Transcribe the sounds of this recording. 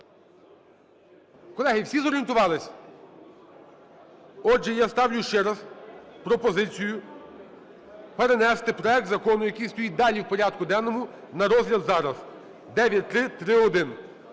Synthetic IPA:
kɔlˠɛɦɪwsʲizɔɾʲient̪ʊʋɑlˠɪsʲ | ɔd͡ʒɛjɑst̪ɑwlʲʊʃt͡ʃɛɾɐzpɾɔpɔzɪt͡sʲijʊ | peɾenɛst̪ɪpɾɔɛk̚t̪zɐkɔnʊjɐkɪjst̪ɔjid̪ɑlʲiwpɔɾʲɑd̪̚kʊd̪ɛnːɔmʊ | nɐɾɔzlʲɐd̪zɑɾɐz | d̪ɛʋʲjɐt̚ʲt̪ɾɪt̪ɾɪɔd̪ɪn

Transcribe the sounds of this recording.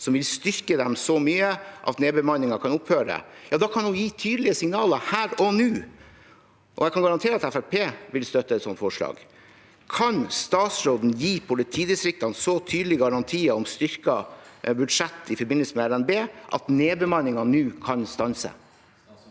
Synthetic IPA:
sɔmʋɪlst̪ʏɾkəd̪ɛmsɔmyːəʔɑ̰t̪neːbəmɑnːɪŋɑkʰɑnʊphøːɾəd̪ɛ̰jɑːd̪ɑkʰɑnujiːt̪ʰyːd̪əlɪəsɪŋnɑːləhæːɾɔnʉː | ʔɔ̰jɛɪkʰɑnɡɑɾɑnt̪ʰeːɾɑt̪æfæɾpʰeːʋɪlst̪œt̪ːəɛt̪sɔ̰nt̪fɔʂɭɑ̰ːɡ | kʰɑnst̪ɑːt̪sɾoːd̪n̩jiːpʰɔlɛt̪ʰiːd̪əsɾɪk̚t̪ɑnsɔt̪ʰyːd̪lɪɡɑɾɑnt̪ʰiːəɔmst̪ʏɾkɑbʉd̪ʂɛt̪ːɪfɔɾbɪnəlsəmɛælɛnbeːʔɑ̰t̪neːbəmɑnɪŋɑnʉːkʰɑnst̪ɑnsə̰

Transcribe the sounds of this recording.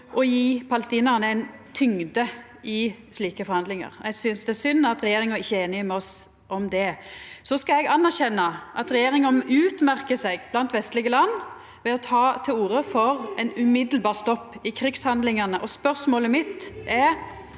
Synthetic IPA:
ʔɔjiːpʰɑləst̪iːnɑʁnəɛɪnt̪ʰʏŋd̪ə | ʔɪsliːkəfɔɾhɑnd̪lɪŋɑ̰ʁɛɡsʏnsd̪ɛæsʏnːɑt̪ɾɛjeːɾɪŋɾɪçːəeːnɪəmɛɔs | ʔɔmd̪ɛsɔskɑɛɡɑnːæʁɕɛnːɑʔɑt̪ɾɛjeːɾɪŋəʉːt̪mæɾkəsɛɡb̥lɑnt̪ʋɛst̪lɪɡəlɑnː | ʋɛɔt̪ʰɑːt̪ʰɪluːɾəfɔʁɛɪnʉmɪd̪əlbɑːʁst̪ɔpːɪkʰɾɪkshɑnd̪lɪŋɑnəʔɔspœʁsmoːləmɪt̪ʔɛ

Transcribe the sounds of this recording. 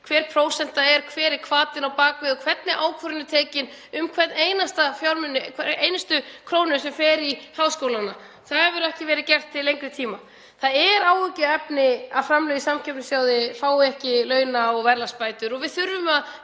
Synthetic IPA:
kʰvɛːɾ̥pʰɾoːwsɛn̥t̪aɛɾ̥kʰvɛːɾɪkʰvaːt̪ɪnawpaːkvɪðɔkʰvɛt̪nɪʔaːwkʰœɾʏnːʏt̪ʰeːcɪn | ʏmkʰvɛt̪neːjnast̪afjawɾmʏnːɪkʰɛejnɪst̪ʏkʰɾoːwnʏsɛmfɛːɾihaːwskowlanːa | θaðɛvɪɾɛhcɪvɛːɾɪðcɛr̥t̪ʰːɪllejŋkɾʏt̪ʰiːma | θaðɛɾaːwʏcʏɛpnɪaðfɾamlœɥɣðisamcʰɛpnʏsjaːwðɪfaːwɪɛhcɪlœːɥnaɔɣvɛɾlaspaːjt̪ʏɾɔɣvɪðθʏɾvʏmað

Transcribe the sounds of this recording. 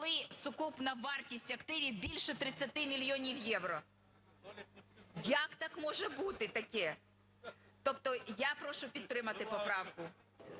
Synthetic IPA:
kɔlˠɪsʊkupnɐʋɑrtʲisʲtʲɐkt̪ɪʋʲiwbʲilʲʃɛt̪ɾɪt͡sʲːɐt̪ɪmʲilʲjɔnʲiwjɛwɾɔ | jɐkt̪ɑkmɔʒɛbut̪ɪt̪ɐkɛ | t̪ɔpt̪ɔjapɾɔʃʊpʲid̪̚t̪ɾɪmɐt̪ɪpɔpɾɑwkʊ

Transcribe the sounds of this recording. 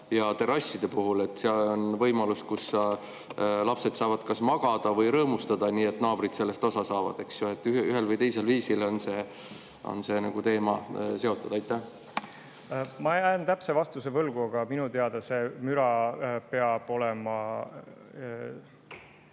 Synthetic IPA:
jɑt̪e̞ɾɑsʲːid̪̥e̞puɦule̞t̪ːˑseɑlo̞nvɤ̞jmɑluskusːɑ | lɑpse̞t̪sɑːvɑd̪kɑsmɑɡ̥ɑd̪̥ɑvɤjɾɤːmust̪ɑd̪ɑniːe̞t̪ːnɑːb̥ɾid̪̥se̞lːe̞st̪o̞sɑsɑːvɑ̰d̪̥e̞ksjoe̞t̪ːˑyyɦe̞lvɤjt̪e̞jse̞lviːsilo̞nse̞ː | o̞̰nse̞nɑɡ̥ut̪e̞ːmɑse̞o̞t̪ːˑud̪ɑjt̪ːˑæh | mɑejæjnt̪æpsevɑst̪usevɤlɡ̥uɑɡ̥ɑminut̪eɑd̪̥ese̞myɾɑpeɑb̥o̞lɛmɑ

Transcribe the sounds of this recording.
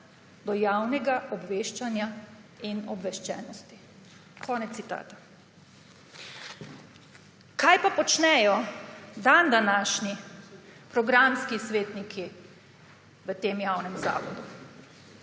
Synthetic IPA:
d̪ɔjawnɛɡaʔɔbʋeːʃt͡ʃanjainɔbʋɛʃt͡ʃɛːnɔst̪i | kʰɔːnɛt̪ːit̪a̰ːt̪ḁ | kajpapɔt͡ʃnɛjɔd̪and̪anaːʃni | pɾɔɡɾamskisʋeːt̪nikʰi | ʋət̪eːmjaːwnɛmza̰ːʋɔd̪u

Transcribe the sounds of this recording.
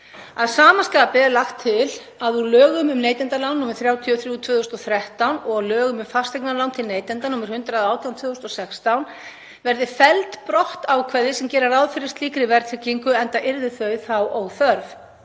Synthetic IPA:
aðsaːmaskapɪlaxt̪ʰːɪl | aðulœːɣʏmʏmneːjt̪ɛnt̪alawnːɔːmɪɾ̥θɾjaːwt̪ʰiɔθɾjuːt̪ʰv̥ʏːðʏst̪ɔθɾɛht̪awnɔɣawlœːɣʏmʏmfast̪ɛjknalawnt̪ʰɪlneːjt̪ɛnt̪anɔːmɪɾ̥hʏnt̪ɾaðaːwt̪ʰjawnt̪ʰvʏːðʏst̪ɔsɛkst̪awn | vɛɾðɪfɛlt̪pɾɔht̪awkʰvɛɾðɪsɛmcɛːɾaɾaðfɪɾɪst̪liːkɾɪvɛɾt̪fɪciŋkʏɛnt̪aʔɪɾðɪθœɥθawowθœɾv

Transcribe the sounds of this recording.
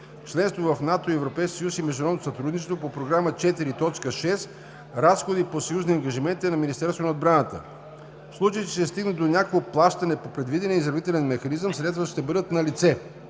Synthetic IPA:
t͡ʃlɛnst̪vovɐfnat̪oiɛvɾopɛjskʲisjusimɛʒd̪unɾɔd̪not̪ost̪ɾud̪nit͡ʃɛst̪vopopɾoɡɾamət͡ʃɛt̪iɾit̪ɔt͡ʃkəʃɛs | ɾasxod̪iposɐjuzniɐŋɡɐʒimɛnt̪ɛnɐminist̪ɛɾst̪vonɐod̪bɾanət̪ə̰ | fslˠut͡ʃəjt̪ɛ̥ʃt̪ɛst̪iɡnəd̪onʲakooplˠaʃt̪ɐnɛpopɾɛd̪vid̪ɛnʲiəizɾɐvit̪ɛlɛnmɛxɐnizəmsɾɛt̪vəʃt̪ɛbɤd̪ət̪nɐlit̪sɛ

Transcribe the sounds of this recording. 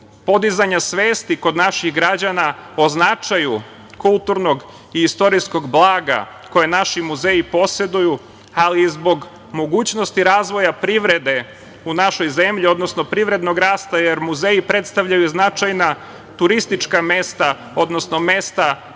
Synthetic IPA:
po̞d̪izaɲasʋeːst̪iko̞d̪naʃixɡɾad͡ʑanaoznat͡ʃaju | kulˠt̪uɾno̞ɡ | iist̪o̞ɾisko̞ɡblˠaːɡa̰ | ko̞jenaʃimuzeipo̞se̞d̪uju | alizbo̞ɡ | mo̞ɡuːt͡ɕno̞st̪iɾaːzʋo̞japɾiʋɾe̞d̪e̞ | unaʃo̞jze̞mʎio̞d̪nosno̞pɾiʋɾe̞d̪no̞ɡɾaːst̪aje̞ɾmuzeipɾe̞t̪st̪aʋʎajuznat͡ʃajna | t̪uɾist̪it͡ʃkame̞st̪a | o̞d̪no̞sno̞me̞st̪a

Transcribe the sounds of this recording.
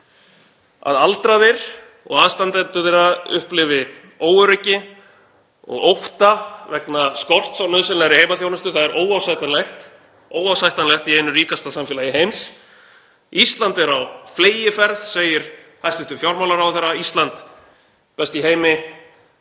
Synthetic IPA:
a̰ðalt̪ɾaðɪɾ̥ | ɔ̰ɣaðst̪ant̪ɛnt̪ʏθeɾaðʏ̰hplɪvɪ | oːwʏɾʏcːɪ | ɔ̰ɣowht̪avɛknaskɔr̥t̪sawnœðsɛnaɾɪhejmaθjownʏst̪ʏθaðɛɾʔoːwawsajt̪anlɛxt̪ | oːwawsajht̪anlɛxt̪iejnʏriːkast̪asamfɪːlajɪɦejms | ist̪lant̪ɛɾawfleːjɪfɛɾðseːjɪɾ̥ | hasɪht̪ʏfjɔɾmawlaɾawθɛɾːaist̪lant̪ | pɛst̪iɦeːjmɪ

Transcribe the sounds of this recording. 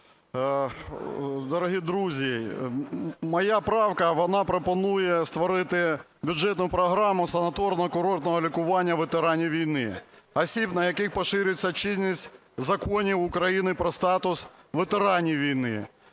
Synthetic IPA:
d̪ɔɾɔɦʲid̪ɾuzʲi | mɔjapɾɑwkɐʋɔnɑpɾɔpɔnujɛst̪ʋɔɾɪt̪ɪ | bʲʊd͡ʒɛt̪nʊpɾɔɦɾɑmʊsɐnɐt̪ɔrnɔkʊɾɔrt̪nɔɦɔlʲikʊʋɑnʲːɐʋet̪eɾɑnʲijʋʲijnɪ̰ɐsʲipnɐjɐkɪxpɔʃɪɾʲʊt͡sʲːɐt͡ʃɪzʲnʲisʲtʲ | zɐkɔnʲiwʊkɾɐjinɪpɾɔst̪ɑt̪ʊs | ʋet̪eɾɑnʲijʋʲijnɪ̰

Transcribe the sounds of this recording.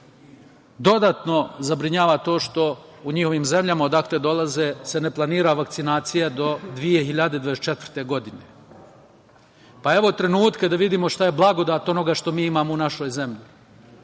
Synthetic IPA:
d̪o̞d̪aːt̪no̞zabɾiɲaːʋat̪o̞ːʃt̪o̞uɲiho̞ʋiːmze̞mʎamaod̪akled̪o̞lˠazese̞ne̞plˠaniːɾaʋakt̪sinaːt̪sijad̪o̞d̪ʋije̞ɦiʎad̪ed̪ʋadeset͡ʃe̞t̪ʋrɾt̪e̞ɡo̞d̪ine̞ | pae̞ʋo̞t̪ɾe̞nuːt̪ked̪aʋid̪iːmo̞ʃt̪aje̞blˠaɡo̞d̪aːt̪o̞no̞ɡaːʃt̪o̞miːimaːmounaʃo̞jze̞mʎi

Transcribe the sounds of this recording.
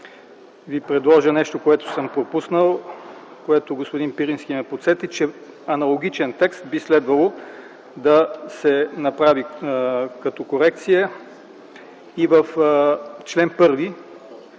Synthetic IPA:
vipɾɛd̪lˠɔʒənɛʃt̪okoɛt̪o̥sɤmpɾopusnəlˠ | koɛt̪oɡospʊd̪inpiɾinskʲimɛpot̪sɛt̪it͡ʃɛ | ɐnɐlˠoɡ̟ʲit͡ʃɛnt̪ɛkst̪̚bislɛd̪vɐlˠo | d̪ɐsɛnɐpɾavi | kɐt̪ɔkoɾɛk̚t̪sijə | ivəf | t͡ʃlɛnpɤɾvi

